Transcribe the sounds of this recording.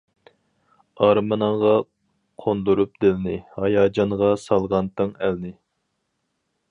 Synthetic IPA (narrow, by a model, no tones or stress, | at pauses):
ɑɾmɨnəɴʁɑ | qʰond̪uɾup̚d̪ɪlnɪhɑjɑːd͡ʒɑɴʁɑsɑlˠʁɑnt̪ʰɨŋælnɪ